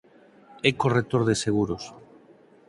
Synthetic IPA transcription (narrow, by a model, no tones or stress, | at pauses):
ekoret̪oɾðeseɣ̞uɾos